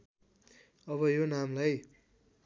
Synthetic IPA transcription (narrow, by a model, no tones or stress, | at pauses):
ʌβʌjonamlaj